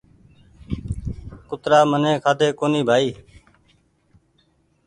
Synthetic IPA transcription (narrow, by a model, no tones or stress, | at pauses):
kʊt̪ɾaːmənẽːkʰaːt̪eːkoːniːbʱaːiː